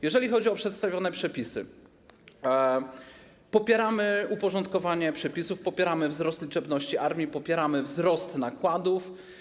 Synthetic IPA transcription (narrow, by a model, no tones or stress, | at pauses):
jɛʐɛlʲixɔd͡ʑiɔpʂɛt̪st̪avʲjɔnɛpʂɛpʲisɘ̰ | pɔpʲjɛɾamɘupɔʐɔnt̪̚kɔvaɲɛpʂɛpʲisufpɔpʲjɛɾamɘvzɾɔst̪lʲit͡ʂɛbnɔɕt͡ɕiʔaɾmʲjipɔpʲjɛɾamɘvzɾɔst̪nakwad̪uf